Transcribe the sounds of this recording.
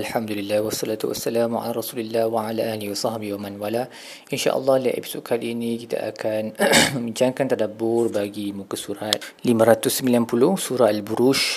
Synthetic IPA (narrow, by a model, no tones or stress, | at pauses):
alħamd̪ulilːahwɑsˤːɑlat̪ṵwa̰sːalamʕa̰laɾˤɑsulilːahwaʕalaʔalihiwasˤɑhbihwamanwala | ʔinʃa̰ʔə̰lːɑhlia̰ʔḭbsuʔkʰaliinikit̪a̰ʔa̰kʰanmə̃mbiɲt͡ʃaŋkant̪adabʊrbaɡimuŋkasuɾat̪̚limãɾat̪usːəmbilanpulʊsuɾaalbuɾuʃ